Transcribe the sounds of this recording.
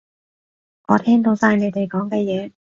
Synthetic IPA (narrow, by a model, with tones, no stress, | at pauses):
ʔɔː˨˧t̪ʰɛː˥ŋt̪o˨˥wsaː˧jne˨˧jt̪e˨jkɔː˨˥ŋkɛː˧jɛː˨˧